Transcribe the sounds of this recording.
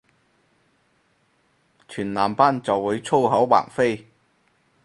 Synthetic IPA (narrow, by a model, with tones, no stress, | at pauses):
t͡ʃʰyː˨˩nlaː˨˩mpaː˥nt͡sɐ˨wːuː˨˧jt͡sʰo˥wɦɐ˨˥wwa̰ː˨˩ŋfe˥j